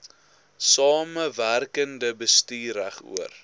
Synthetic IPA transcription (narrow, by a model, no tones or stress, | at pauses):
sɑːməværkəndəbəstiːɾæχṵər